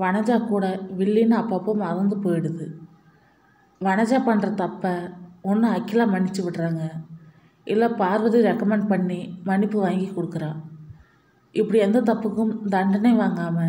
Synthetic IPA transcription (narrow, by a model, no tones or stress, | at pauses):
ʋɐnɐd͡ʒaːkuːɽɐʋɪɭːinɯɐpːapːɐmɐɾɯnd̪ɯpoːjɪɽɯðɯ | ʋɐnɐd͡ʒaːpɐɳːrɐt̪ɐpːɐɔnːɯɐkːɪlaːmɐnːɪt͡ʃːɯʋɪʈːɾaːŋɡɐ | ʔɪlːɐpaːɾʋɐðɯɾɛkːɐmɛɳɖpɐɳːimɐnɪpːɯʋaːŋɡikːɔɽɯkːɯɾãː | ʔɪpːɐɽiɛnd̪ɐt̪ɐpːɯkːɯmd̪ɐɳɖɐnɐɪʋaːŋɡaːmɐ